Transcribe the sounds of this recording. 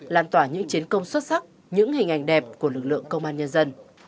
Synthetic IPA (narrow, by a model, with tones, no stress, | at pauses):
laː˧˩mt̪waː˧˩ɲɨ̰˧˥ŋt͡ɕi˨˦ənkə˧wŋ͡mswə˦˥t̚sa˦˥k̚ | ɲɨ̰˧˥ŋhï˨˩ŋ̟ʔa˨˩jŋ̟ɗɛ˨˩p̚ku˧˩əlɨ˨˩k̚lɨ̰˧˨əŋkə˧wŋ͡mʔaː˧nɲə˧nzə˧n